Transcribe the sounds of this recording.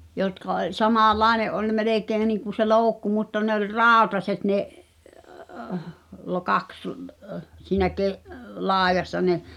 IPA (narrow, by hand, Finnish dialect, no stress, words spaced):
jotkɑ olʲ sɑmɑˑlːɑˑeneʔ ʔolʲ meleˑkeːĭ niːŋku se loːŭkːu mutːɑ ne olʲ rɑˑotɑset neʔ lokɑks siːnæ keʔ lɑːĕjɑsːɑ ne